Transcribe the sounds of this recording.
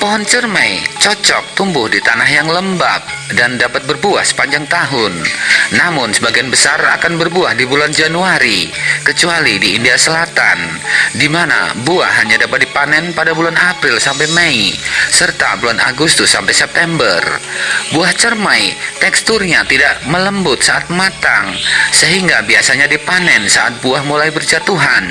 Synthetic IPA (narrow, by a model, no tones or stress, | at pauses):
pəɦɔnt͡ʃərmajt͡ʃɔt͡ʃɔk̚t̪umbʊhdit̪anaɦjaŋləmba̰p̚dandapat̪̚bərbuahsə̥paɲd͡ʒaŋt̪aɦʊnːamʊnsəbaɡianbəsara̰kanbərbuahdibuland͡ʒanuaɾikət͡ʃualidiːndiasəlat̪a̰n | dimana̰bua̰hːaɲadapat̪̚dipanɛnpadabulanapɾɪlsampajmɛisərt̪a̰bulanaɡust̪ʊsːampajsɛp̚t̪ɛmbərbuaht͡ʃərmajt̪ɛkst̪ʊrɲat̪idaʔmələmbʊt̪saʔat̪̚mat̪aŋsəɦiŋɡabiasaɲadipanɛnsaʔat̪̚buahmulajbərd͡ʒat̪uɦan